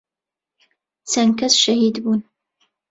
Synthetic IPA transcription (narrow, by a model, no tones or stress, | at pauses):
t͡sɐŋkɐsʃɐhiːd̪buːn